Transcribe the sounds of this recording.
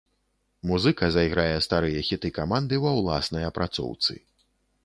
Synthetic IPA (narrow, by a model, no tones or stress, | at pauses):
muzɨkɐzɐjɣɾajɛst̪aɾɨjɐxʲit̪ɨkamand̪ɨvɐwlˠa̰snɐjɐpɾʔat̪sɔ̰wt̪sɨ̰